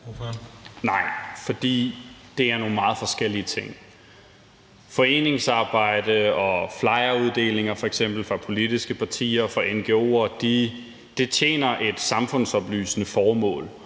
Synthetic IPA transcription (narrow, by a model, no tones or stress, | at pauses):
nɑ̈ɪ̰fɒd̥ḭːd̥e̝æɐno̝ːn̩mɑ̈ːð̩ˠfɒ̽sɡ̥el̰iət͡sʰe̝ŋ̰ | fɒ̽e̝̰ːne̝ŋsɑ̈ːb̥ɑ̈ɪ̰d̥əɒ̽flɑ̈ɪɐuð̞ˠd̥e̝̰ːle̝ŋɐfɒ̽eɡ̥sem̰b̥l̩fʁɑ̈pʰo̝lid̥isɡ̥əpʰɑ̈t͡sʰḭːɐfɑ̈enɡ̥e̝o̝̰ːɐd̥i | d̥e̝t͡ɕʰjḛːnɐʔe̝d̥sɑ̈mfɔ̽n̰sɒ̽b̥ly̰ːsənəfɒːmɔ̰̽ːl